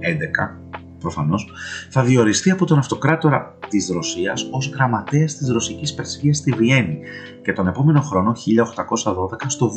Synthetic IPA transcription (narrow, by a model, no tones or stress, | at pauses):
end̪e̞kɐ̰ | pɾo̞fɐno̞sθɐðio̞ɾist̪iɐpo̞t̪o̞nɐft̪o̞kɾɐt̪o̞ɾɐ | t̪izɾo̞siɐso̞zɣɾɐmɐt̪eɐst̪izɾo̞sicispe̞ɾsfiɐst̪ivie̞ni | ce̞t̪o̞ne̞po̞me̞no̞xɾo̞noçiʎɐo̞xt̪ɐko̞sɐðo̞ðe̞kɐst̪o̞